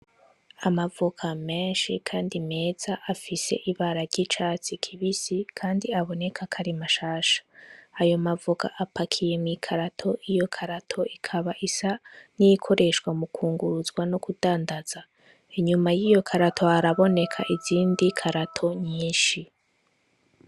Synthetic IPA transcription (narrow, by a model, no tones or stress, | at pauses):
amavukʰame̞ːnʃikʰaːndime̞ːz̥aʔafise̞̰ʔiβaɾaɾɟit͡ʃaːt͡sikʰiβisikʰaːndiaβo̞ne̞kʰakʰaɾimaʃaːʃḁːjo̞mavuka̰ʔapakʰije̞mŋiːkʰaɾatʰo̞ʔijo̞kʰaɾatʰo̞ikʰaβaʔisanijikʰo̞ɾe̞ʃɡwamukʰuːŋɡuɾuzɡwanokudaːndaz̥a | iɲumajijo̞kʰaɾatʰo̞aɾaβo̞ne̞kʰaʔiziːndikʰaɾatʰo̞ɲiːnʃi